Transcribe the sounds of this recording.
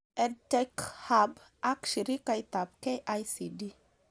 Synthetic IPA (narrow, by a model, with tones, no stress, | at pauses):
ɛ˨dtɛ˦kha˨b | a˦kʃi˨ɾi˦ka˧it̪a˨p̚ke˦ʔa˦jsi˨di˦